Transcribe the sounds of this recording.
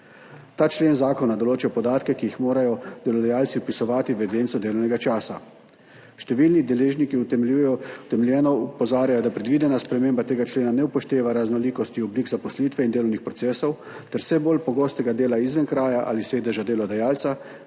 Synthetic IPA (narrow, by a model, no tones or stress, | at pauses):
t̪aːt͡ʃleːnzaːkɔnad̪ɔloːt͡ʃɛpɔd̪aːt̪kɛkijixmoːɾajɔd̪ɛlɔd̪ajaːlt̪siɔpisɔʋaːt̪iʋɛd̪eːnt̪sɔd̪eːlɔwnɛɡat͡ʃaːsa̰ | ʃt̪ɛʋilnid̪ɛleːʒnikiu | t̪ɛmlɛnɔupɔzaːɾjajɔd̪apɾɛd̪ʋiːd̪ɛnaspɾɛmeːmbat̪eːɡat͡ʃleːnanɛupɔʃt̪eːʋaɾaznɔliːkɔst̪iɔbliːkzapɔsliːt̪ʋɛind̪eːlɔwnixpɾɔt̪seːsɔw | t̪ɛɾsɛbolpɔɡoːst̪ɛɡad̪eːlaizʋənkɾaːjaʔa̰ːliseːd̪ɛʒad̪eːlɔd̪ajaːlt̪sa